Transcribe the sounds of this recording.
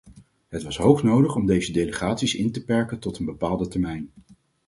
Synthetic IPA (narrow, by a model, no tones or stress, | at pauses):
ɦətʋɑsɦowχnowdəχɔmdejzədejləχaːtsisɪntəpɛɹkəntɔtənbəpaːlˠdətɛɹmɛjn